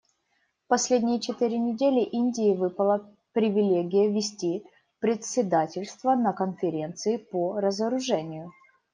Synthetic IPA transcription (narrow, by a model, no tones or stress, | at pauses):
fpɐsʲlʲedʲnʲɪjət͡ɕɪt̪ɨɾʲɪnʲɪdʲelʲɪʔinʲdʲɪjɪvɨpəlˠə | pɾʲɪvʲɪlʲeɡʲɪjəvʲɪsʲtʲi | pɾʲɪt̪sʲɪd̪atʲɪlʲst̪vənəkənfʲɪɾʲe̞nt̪sɨɪpoɾəzəɾʊʐɛnʲɪjʊ